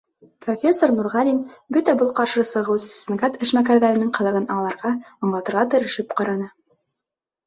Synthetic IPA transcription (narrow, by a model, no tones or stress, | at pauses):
pro̞fʲesːornuɾʁɑlʲinbɵt̪æbɤlˠqɑɾʃɤsɤ̆ʁɤwssmaɡat̪ɘ̆ʃmækæɾðæɾɘ̆nɘŋqɤ̆ðˠɤ̆ʁɤnɑlˠɑɾʁɑɤ̆ɴlˠɑt̪ɤ̆ɾʁɑt̪ɘ̆ɾɘ̆ʃɘpqɑɾɑnɤ